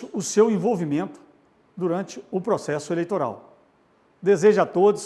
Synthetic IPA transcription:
ʊʊsewẽvowvimẽnt̪ʊ̥ | d̪uɾɐ̃nt͡ʃɪʊpɾosɛsʊelejt̪oɾa̰w | d̪ezeʒɐat̪od̪ʊs

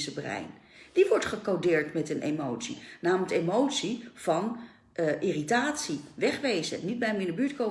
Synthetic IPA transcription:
səbrɛ̰jn | d̥iʋɔɹtχəkowdɪːɹtmɛtənʔḛmowtsḭnaːmtemowtsiv̥ɑn | ʔɪritaːtsiʋɛχʋejzə̰nid̚bɛjmɪnəbyːtko

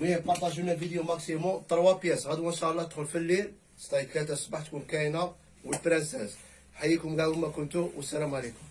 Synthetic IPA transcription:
miæpɑɾˤt̪æʒunæfid̪jumæksimut̪əɾˤwæpjæsɣæd̪uwənʃæʔlˤːɑt̪xulfəlːil | st̪ˤɑit̪læt̪æsˤbaħt̪kʊmkæjna | wəlfɾænsæz | ħajːikʊmɡæwmækʊnt̪uwʔəsːælæmʕalikʊm

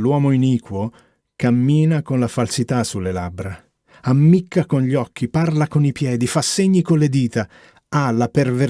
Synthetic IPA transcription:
lwɔːmoiniːkwo | kamːiːnakonlafalsit̪asulːelabːɾa | amːikʰːakonʎɔkːiparlakonipjɛːd̪ifasːeɲːikonled̪iːt̪a | alaperve

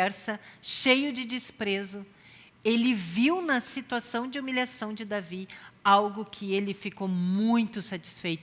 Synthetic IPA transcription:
ɛɾsɐʃejʊd͡ʒɪd͡ʒɪspɾezʊ | elɪviwnɐsit̪uasɐ̃w̃d͡ʒɪumilʲiasɐ̃w̃d͡ʒɪd̪aviawɡʊkʰɪelɪfikowmũj̃t̪ʊsat͡ʃi̥sfejt̪

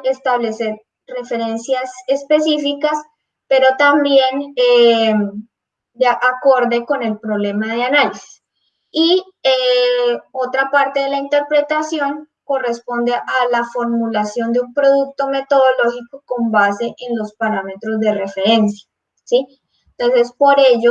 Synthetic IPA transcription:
e̞st̪aβle̞se̞ɾ | re̞fe̞ɾe̞nsjasespe̞sifikas | pe̞ɾo̞t̪ambje̞ne | d̪eaʔako̞ɾd̪e̞ko̞ne̞lpɾoβle̞maðeanalisi̥s | i | e | o̞t̪ɾapaɾt̪e̞ðe̞laint̪e̞ɾpɾe̞t̪asjo̞ŋ | ko̞re̞spo̞nd̪e̞ʔalafo̞ɾmulasjo̞nd̪eumpɾo̞ðuk̚t̪o̞me̞t̪o̞ðolo̞xikoko̞mbase̞ʔenlo̞spaɾame̞t̪ɾo̞zd̪e̞re̞fe̞ɾe̞nsja | si | ent̪o̞nse̞spo̞ɾe̞ʝo

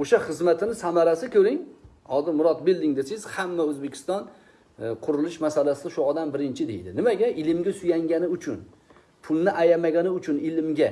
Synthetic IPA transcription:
oʃaχɨzmat̪ʰɪnɪsamaɾasɪkʲʰɵɾɪŋ | hɒzɪɾmʊɾɒt̪̚bɪld̪ɪŋd̪esɪz̥hamːaɵzbekʲʰɪ̥st̪ɒn | qʰʊɾɪlɪʃmasalasɪd̪aʃʊɒd̪ambɪɾɪnt͡ʃʰɪd̪e̞̰jd̪ɪnɪmaɡʲaʔɪlɪmɡʲasʊjaŋɡʲanɪʊt͡ʃʰʊn | pʰʊlˠnɪʔajamaɡʲanɪʊt͡ʃʰʊnɪlɪmɡʲa

